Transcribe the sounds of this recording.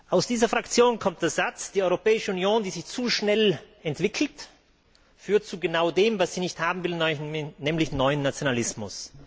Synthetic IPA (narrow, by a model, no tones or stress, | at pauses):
ʔaʊsd̥iːzɐfʁ̥akt͡sjoːnkʰɔmt̚d̥eːɐzat͡sd̥iːʔɔʏʁopɛːɪʃəunjoːndiːzɪçt͡suːʃnɛl | ɛntv̥ɪkʰl̩t | fyːɐtt͡suɡənaʊdeːmvasz̥iːnɪçthaːbm̩vɪlnnɛːmlɪçnɔʏənːat͡sjonalɪsmʊ̰s